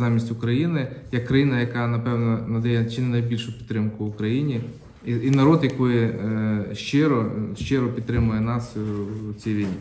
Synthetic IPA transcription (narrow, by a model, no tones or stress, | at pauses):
zɑmʲisʲtʲʊkɾɐjinɪjɛkːɾɐjinɐjɐkɑnɐpɛwnɔnɐd̪ɛjɛt͡ʃɪnɪnɐjbʲilʲʃʊpʲit̪ːɾɪmkʊʋʊkɾɐjinʲi | iinɐɾɔd̪jɐkɔjɪ | ʃt͡ʃɪɾɔʃt͡ʃɪɾɔpʲid̪t̪ːɾɪmʊjɛnɑst͡sʲijʋʲijnʲi